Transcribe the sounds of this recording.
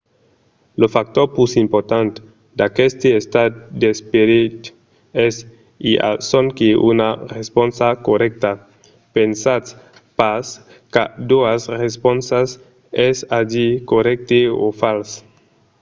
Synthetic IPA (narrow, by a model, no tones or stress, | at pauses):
lofak̚t̪oɾpusimpoɾt̪ant̪ | d̪akest̪eest̪ad̪espeɾit̪ | es | iʔa̰soŋkeṵnaresponsakorɛk̚t̪a | pensat̪ | pas | kad̪uasresponsas | ɛsad͡ʒikoɾɛk̚t̪eo̰fals